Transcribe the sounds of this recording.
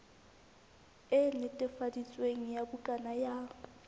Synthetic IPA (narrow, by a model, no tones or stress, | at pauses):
ɛnɪtʼɛfadit͡sʼweŋ̩jabʊkʼanajaːŋ̩